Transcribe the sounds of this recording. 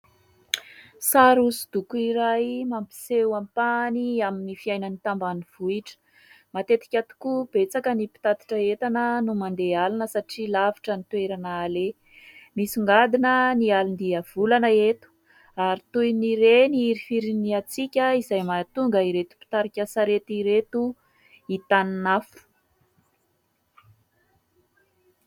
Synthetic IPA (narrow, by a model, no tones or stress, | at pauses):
saɾusi̥d̪̥ukuiɾajmampi̥sewampaniaminifiajnənit̪ambaniv̥uiʈ͡ʂə̥ | mat̪et̪i̥kʲat̪u̥kub̥et͡sakənipi̥t̪at̪i̥ʈ͡ʂəet̪anənumand̪ealinəsaʈ͡ʂilavi̥ʈ͡ʂənit̪weɾanaːle | misiŋɡad̪inənialind̪iəv̥ulanəet̪u̥ | aɾit̪ujniɾeniiɾifiɾiniat͡sikʲəizajmat̪uŋɡəiɾet̪u̥pi̥t̪aɾikʲəsaɾet̪iɾet̪u | it̪aninafu̥